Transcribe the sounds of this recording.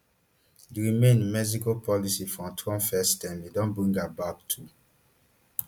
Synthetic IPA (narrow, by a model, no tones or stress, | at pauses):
diɹimẽnmɛzikopʰɔlisifɹɔ̃tʰɔ̃nfɛstɛ̃nlidɔ̃nbɹĩŋɡabab̚tʰu